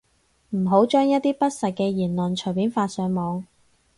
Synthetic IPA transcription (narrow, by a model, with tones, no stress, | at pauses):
m̩˨˩ɦo˨˥wt͡ʃœː˥ŋjɐ˥t̚t̪iː˥pɐ˥t̚sɐ˨t̚kɛː˧jiː˨˩nlɵ˨˩nt͡ʃʰɵ˨˩jpiː˨˥nfaː˧t̚sœː˨˧ŋmɔː˨˧ŋ